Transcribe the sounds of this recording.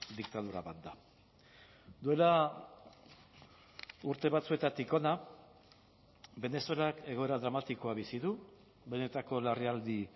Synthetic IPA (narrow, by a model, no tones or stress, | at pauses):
d̪ikt̪að̞uɾaβat̪̚d̪a | d̪ue̞la | uɾt̪e̞βat͡sue̞t̪at̪ikona | be̞ne̞so̞lake̞ɣ̞o̞e̞ɾaðɾamat̪iko̞aβisiðu | βene̞t̪ako̞lariald̪i